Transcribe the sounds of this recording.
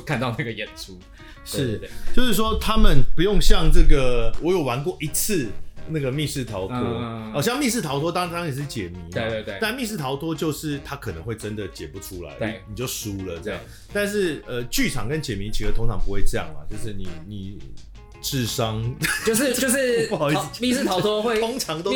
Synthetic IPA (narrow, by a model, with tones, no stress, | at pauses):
kʰa˥˧nt̪ɑ˥˧ʊna˥˩ɡə˨jɛ˨˩nʈ͡ʂʰu˦ | ʂɻ̩˥˩t͡ɕjo˥˧ʊʂɻ̩˥˩ʂ̬wɔ˦t̪ʰa˦˥mə˨npu˧˦jo˥˧ŋɕjɑ˥˧ŋʈ͡ʂɤ˥˩ɡə˩wɔ˨˦jo˨˩ʊwa˧˦nkwɔ˥˩ʔi˧˥t͡s̩ʰ˥˩˧na˥˩ɡə˩mi˥˧ʂɻ̩˥˩t̪ʰɑ˨˥ʊt̪ʰwɔ˦˥ɔ˨˩ɕjɑ˥˧ŋmi˥˧ʂ̬ɻ̩˥˩t̪ʰɑ˧˥ʊt̪ʰwɔ˥ɑ˥˧nt̪ʰa˥ŋɛ˨˩ʂɻ̩˥˩t͡ɕjɛ˨˩mi˨˦ma˥˧˨e˥˧e˥˩t̪a˥˧nmi˥˧ʂɻ̩˥˩t̪ʰɑ˧˥ʊt̪ʰwɔ˥t͡ɕjo˥˧ʊʂɻ̩˥˩t̪ʰa˦kʰə˨˩nə˧˦ŋxwe˥˩ɪʈ͡ʂə˦nd̪ə˨t͡ɕjɛ˨˩pu˧˦ʈ͡ʂʰu˦la̰˧˦ɪ˧˩ni˨˩t͡ɕjo˥˩ʊʂu˨˩lə˨ʈ͡ʂə˥˧jɑ̰˥˩ŋ | t̪a˥˧nʂ̬ɻ̩˥˩ə˧t͡ɕy˥˩ʈ͡ʂʰɑ̰˨˩˦ŋkə˦nt͡ɕjɛ˨˩mi˨˦t͡ɕʰi˧˥də˨t̪ʰo˥ŋʈ͡ʂʰɑ˧˥ŋpu˧˦we˥˩ɪʈ͡ʂɤ˥˧jɑ̰˥˩ŋma̰˩t͡ɕjo˥˧ʊʂ̬ɻ̩˥˩ni˨˩ni˨˩ | ʈ͡ʂɻ̩˥˩ʂɑ˦ŋt͡ɕo˥˧ʂo˥˧ʊʂɻ̩˥˧˨mi˥˧ʂ̩˥˩t̪ʰɑ˧ʊt̪ʰwɔ˥xwe˥˧o˥ŋt͡sʰɑ˧˦ŋt̪o˥